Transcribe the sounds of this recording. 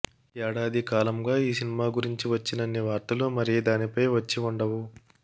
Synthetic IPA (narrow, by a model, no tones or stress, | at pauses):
ɛːɽaːd̪ikaːlɐmɡaːiːsinimaːɡuɾiɲt͡ʃiʋɐt͡ʃːinɐnːiʋaːɾt̪ɐlumɐɾid̪aːnipɐjʋɐt͡ʃːiuɳɖɐʋu